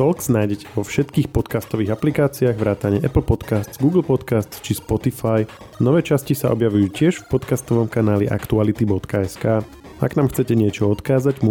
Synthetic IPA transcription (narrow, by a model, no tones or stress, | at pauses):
t̪ɔlkz̥naːjɟɛcɛ̥ʋɔfʃɛt̪kiːxpɔt̪kast̪ɔʋiːɣaplikaːt͡siaːɣʋɾaːt̪aɲɪɛʔɛpl̩pɔt̪kast̪t͡sɡuːɡl̩ˠpɔt̪kast̪t͡ʃispɔt̪ifaj | nɔʋɛːt͡ʃascisa̰ʔɔ̰bjaʋujuːcɪɛʃfpɔt̪kast̪ɔʋɔmkanaːliʔa̰kt̪ualit̪ibɔt̪kaɛskaː | a̰ɡnaːmxt͡sɛcɛɲɪɛt͡ʃɔɔt̪kaːzaɟm